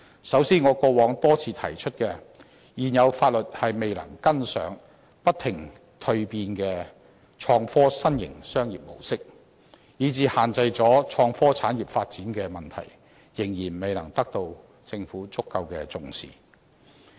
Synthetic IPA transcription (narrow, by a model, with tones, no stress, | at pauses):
sɐ˨˥wsiː˥nŋɔː˨˧kɔː˧wɔː˨˥ŋt̪ɔː˥t͡sʰiː˧t̪ʰɐ˨˩jt͡ʃʰɵ˥t̚kɛː˧ | jiː˨˩njɐ˨˧wfaː˧t̚lɵ˨t̚hɐ˨jme˨jlɐ̰˨˩ŋkɐ˥nsœ̰ː˨˥ŋ | pɐ˥t̪ʰɪ˨˩ŋ | t̪ʰɵ˧ɥpiː˧nkɛː˧ | t͡ʃʰɔː˧ŋfɔː˥sɐ˥njɪ̰˨˩ŋsœː˥ŋjiː˨p̚mo̰˨˩wsɪ˥k̚ | jiː˨˧t͡siː˨˧haː˨nt͡sɐ˧jt͡sɔː˨˥t͡ʃʰɔː˧ŋfɔː˥t͡sʰaː˨˥njiː˨˩p̚faː˧t̚t͡siː˨˥nkɛː˧mɐ˨˩nt̪ʰɐ̰˨˩j | jɪ˨˩ŋjiː˨˩nme˨jlɐ˨˩ŋt̪ɐ˥k̚t̪o˧w | t͡sɪ˧ŋfuː˨˥t͡sʊ˥kːɐ˧wkɛː˧t͡sʊ˧ŋsḭː˨˩